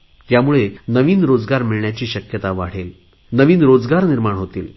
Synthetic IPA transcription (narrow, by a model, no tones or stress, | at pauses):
jamuɭenəʋiːnɾod͡zɡaɾmiɭɳjat͡ɕiːɕəkjət̪aʋaɽ̤el | nəʋiːnɾod͡zɡaɾniɾmaɳɦot̪ḭːl